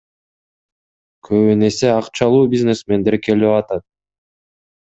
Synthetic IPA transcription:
kʰøβyne̞seɑqt͡ʃɑlˠuːbʲizne̞sme̞nd̪e̞ɾke̞liɑt̪ɑt̪̚

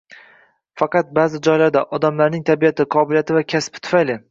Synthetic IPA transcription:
fɑqɑt̪̚baːzɪd͡ʒɒjlaɾd̪aʔɒd̪amlaɾnɪŋt̪ʰabijat̪ʰɪqʰɒbɪljat̪ʰɪvakʲʰaspɪt̪ʰʊ̥fajlɪ

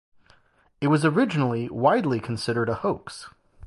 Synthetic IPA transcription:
ɨt̚wʌzə˞ɪd͡ʒɨnl̩ˠiwaɪdˡlikʰn̩sɪɾə˞ɾəhoʊks

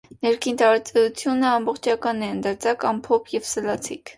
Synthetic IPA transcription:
nɛɾkʰint̪ɑɾɑt͡sɛjut͡sʰjunəɑmbɔχt͡ʃʰɑkɑnɛənd̪əɾt͡sʰɑkɑmpʰɔpʰjɛvsəlɑt͡sʰikʰ

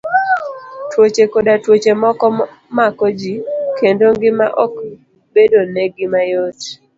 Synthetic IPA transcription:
twot͡ʃekodatwot͡ʃemɔkɔ | makɔd͡ʒikendoŋɡɪma̰ʔɔk | bedoneɡɪmajot

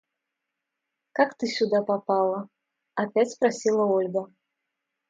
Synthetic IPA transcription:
kakt̪ɨsʲud̪apapalˠɐ | apʲat͡sʲpɾasʲilˠɐɔlʲɡɐ

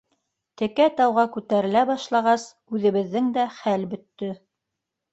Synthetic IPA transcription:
t̪ɘ̆kæt̪ɑwʁɑkʉt̪æɾɘ̆læbɑʃlˠɑʁɑs | ʉðɘ̆βɘ̆ðːɘŋd̪æχælbɵ̆t̪ːɵ

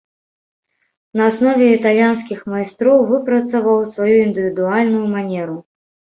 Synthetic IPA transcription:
nɐːsnɔvʲɛit̪alʲjans̬kʲixmajst̪ɾɔwvɨpɾɐt̪sɐvɐwsvajuind̪ɨvʲid̪ualʲnujumanʲɛɾu

